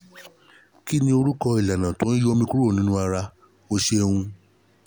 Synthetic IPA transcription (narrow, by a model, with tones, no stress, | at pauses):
ki˦nĩ˧˦o˧ɾu˦kɔ˧i˨la˨nã˨tõ˨˦i˦jo˦˧mĩ˧ku˦ɾo˦˨nĩ˦nũ˦a˧ɾa˧ | o˧ʃe˧hũ˧